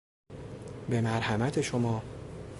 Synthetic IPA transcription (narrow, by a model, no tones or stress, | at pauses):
be̞mæɾhæmæt̪ʰe̞ʃomɒː